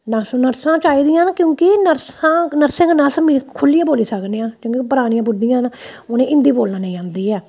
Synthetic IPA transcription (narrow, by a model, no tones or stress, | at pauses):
nəsnəɾsãːt͡ʃaːiːd̪ɪjãːnkjõːkɪnəɾsãːnəɾsə̃ːŋknəsmekʰʊlːijãːboːliːsəknejãːkjõːkipəɾaːnɪ̃jãːbʊɾd̪ijãːnonẽːʔɪ̃nd̪iːboːlnãːnə̃ĩãːnd̪iːɛː